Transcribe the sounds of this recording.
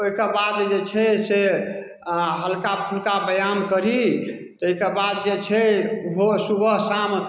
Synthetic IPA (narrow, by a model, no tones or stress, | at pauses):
oɦikebad̪d͡ʒet͡ʃʰɛse | ɦəlkapʰulkabəjamkəɾi | t̪ɔeɦkebad̪̚d͡ʒet͡ʃʰɛɦosuɡʱəɦsam